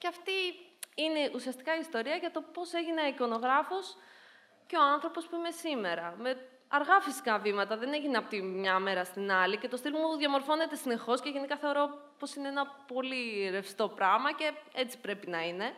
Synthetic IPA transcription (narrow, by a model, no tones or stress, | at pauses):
ceɐft̪iine̞ʔusiɐst̪i̥kɐiːst̪o̞ɾiɐʝɐt̪o̞po̞se̞ʝineiko̞no̞ɣɾɐfo̞s | ce̞oɐnθɾo̞po̞spuime̞sime̞ɾɐme̞ | ɐɾɣɐfisi̥kɐvimɐt̪ɐðe̞ne̞ʝineɐpot̪imɲɐme̞ɾɐst̪inɐlice̞t̪o̞st̪ilmuðʝɐmo̞ɾfo̞ne̞t̪e̞sine̞xo̞sce̞ʝe̞nikɐθe̞o̞ɾo̞po̞sineenɐpo̞liɾe̞fst̪o̞pɾɐmɐce̞e̞t͡si̥pɾe̞pinɐine̞